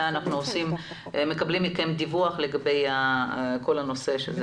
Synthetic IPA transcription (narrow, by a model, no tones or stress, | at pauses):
anaχnuosim | me̞kablimikajemd̪ivuaχle̞ɡabe̞jako̞lano̞se̞ʃez